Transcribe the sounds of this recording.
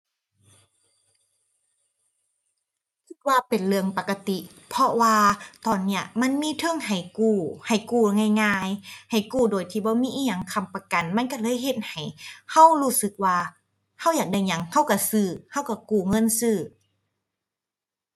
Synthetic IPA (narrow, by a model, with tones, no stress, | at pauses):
kʰi˧˩t̪̚waː˧pe˨nlɯ˧əŋpa˨˧˩ka˧t̪i˧ʔ | pʰɔ˧waː˧t̪ɔː˨˩nːi˧˩ɐʔma˧˥˨nmiː˧˥˨t̪ʰɤ˧˥˨ŋha˨˩jkuː˧˩ha˨˩jkuː˧˩˨ŋaː˧˩jŋaː˧jha˨˩jkuː˧˩doː˨˩jt̪ʰiː˧bɔː˧˦miː˧˥ʔiː˧˥˩ɲa˧˩˨ŋkʰa˧˩˨mpa˧ka˨nma˧˥˨nka˧˩lɤː˧˥˨jhe˧t̪̚ha˨˩jha˧˩˨whuː˧˥˨sɯ˧˦k̚waː˧ | ha˧˥˩wjaː˨˩k̚da˧˩jɲa˧˩˦ŋha˧˩˨wka˧˩sɯː˧˩ha˧˥˩wka˧˩kuː˧˩ŋɤ˧˥˨nsɯː˧˩